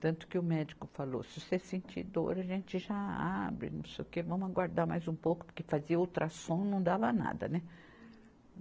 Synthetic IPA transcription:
t̪ɐ̃nt̪ʊ̥kɪʊmɛd͡ʒikʊfalo̰sɪʊseɾsẽnt͡ʃḭd̪o̰ɾɐʒẽnt͡ʃɪʒaa̰bɾɪ̰nɐ̰̃w̃sejʊkevɐ̃mʊaɡwaɾd̪ama̰jzũpowkʊ̥pʊɾkefaziɐowt̪ɾʔasõw̃nɐ̃w̃d̪avɐna̰d̪ɐ̰nɛ

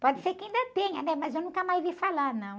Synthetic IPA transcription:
pɔd͡ʒɪsekɪaĩnd̪ɐt̪ẽɲɐnɛmɐzewnũkɐmajzvifalaɾnɐ̃w̃

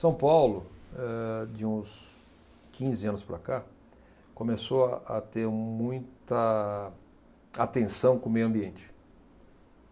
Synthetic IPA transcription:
sɐ̃w̃pawlʊɛd͡ʒɪũs | kʰĩzɪɐ̃nʊspɾɐ̰ka | kõmesoaa̰t̪eɾmũj̃t̪ɐ | at̪ẽsɐ̃w̃kõmejʊɐ̃mbiẽnt͡ʃɪ̥

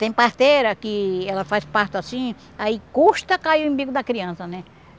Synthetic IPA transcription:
t̪ẽj̃past̪eɾɐkɪelafaspast̪ʊasĩ | aikust̪ɐkajʊẽmbiɡʊd̪akɾiãnsɐne

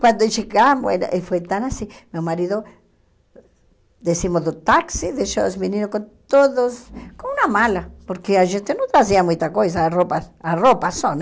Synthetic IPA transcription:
kwand̪ot͡ʃekambwḛno̰ʔefwet̪anasimeomaɾiðo | d̪esimod̪ot̪aksiðeʃaosminiɾokont̪oðoskonunamalapoɾkeaʒent̪enot̪ɾas̬iamũjt̪akojs̬aropaaropason

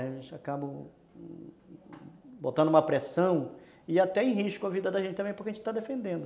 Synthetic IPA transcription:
ʒẽt͡ʃɪakabɐ | bot̪ɐ̃nd̪ʊũmɐpɾesɐ̃w̃ | ɪat̪ɛẽj̃ɦiʃkʊɐvid̪ɐd̪aʒẽt͡ʃɪt̪ɐ̃mẽjpoɾkaʒẽt͡ʃɪ̥t̪ad̪efẽnd̪ẽnd̪ʊ

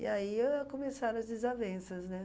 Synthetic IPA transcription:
ḭaikomesaɾɐ̃ɐzd̪ɪzavẽsɐznɛ

